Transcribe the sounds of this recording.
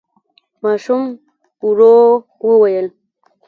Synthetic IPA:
mɑːʃum | uɾo | wəwajəl

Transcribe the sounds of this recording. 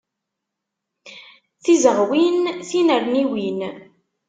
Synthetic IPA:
θizəʁwinθinəɾniwin

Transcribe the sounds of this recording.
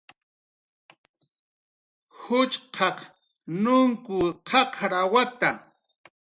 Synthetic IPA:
hʊt͡ʃqʰɑq | nʊŋkʊqʰɑqɾawat̪a

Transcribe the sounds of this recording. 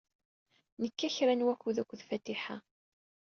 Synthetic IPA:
nəkːæçɾænwækːuðækʷːðfæt̪iħa

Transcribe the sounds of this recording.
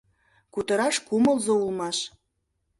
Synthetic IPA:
kut̪ɤ̆ɾɑʃkumə̆lˠzoulˠmɑʃ

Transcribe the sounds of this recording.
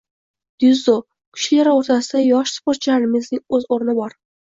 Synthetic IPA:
d̪̥ʊzo | kʲʰʊ̥ʃlaɾɪoɾt̪ʰasɪd̪ajɒʃspoɾt̪t͡ʃʰaɾɪmɪznɪŋɵzoɾnɪbɒɾ

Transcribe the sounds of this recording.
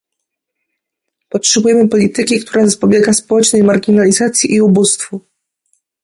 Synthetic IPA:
pɔtʂɛbujɛmɘpɔlʲit̪ɘkʲikt̪ʰuɾazapɔbʲjɛɡaspɔwɛt͡ʂnɛjmaɾɡʲinalʲizat̪sʲjiʔiubust̪fu

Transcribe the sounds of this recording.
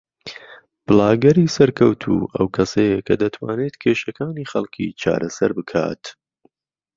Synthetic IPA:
b̥ɨlaːɡɐɾiːsɐɾkʰɐwt̪ʰṵːʔɐwkʰɐsɐjekʰɐd̪ɐt̪ʰwa̰ːneːt̪kʰeːʃɐkʰaːniːxɐlˠkʰḭt͡ʃʰa̰ːɾɐsɐɾbɨkʰa̰ːt̪

